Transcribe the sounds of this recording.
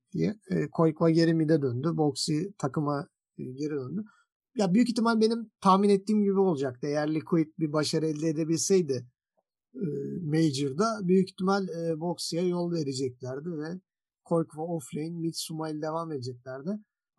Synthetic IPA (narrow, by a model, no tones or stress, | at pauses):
jɛːkʰo̞jkvaɟe̞ɾimid̪ɛd̪ønd̪ybo̞ksit̪ʰakɯmaː | ɟe̞ɾid̪ønd̪y | jabyjyciçt̪ːimalʲbe̞nimt̪ʰahminet̪ːiːmɟibio̞lˠud͡ʒak̚t̪ɯejæɾlʲikʰujit̪̚bibaʃaɾɯelʲd̪ied̪e̞bilʲsɛjd̪ɪ | me̞jd͡ʒɯɾd̪abyjyci̥t̪ʰːimalʲːbo̞ksijajo̞lˠveɾid͡ʒɛclʲæɾd̪ɪvɛ | kʰo̞jkvaoflʲejinmit̪sumajd̪e̞vame̞d̪ed͡ʒɛc̚lʲæɾd̪ɪ